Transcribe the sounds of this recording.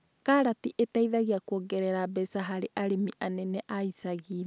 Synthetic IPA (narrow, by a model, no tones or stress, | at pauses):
kaɾatiʔetaiðaɣiakuoɡɛɾɛɾabɛsaɦaɾeʔaɾemiʔanɛnɛʔaisaɣiːð